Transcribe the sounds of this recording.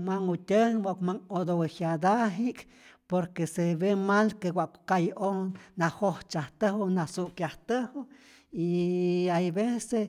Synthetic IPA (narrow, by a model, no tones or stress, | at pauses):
maŋutʲəŋmokmaŋod̪owehjad̪aɦiʔk | poɾkeseβemalkewʷaʔkkajonahoht͡ʃaht̪əhonasuʔkjaht̪əho | iajbese